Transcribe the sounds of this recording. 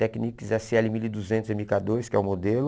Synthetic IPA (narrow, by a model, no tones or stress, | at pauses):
ɛknikizɛseɛlɪmilid̪uzẽnt̪ʊzẽmikad̪oɾɪskɪɛʊmod̪elʊ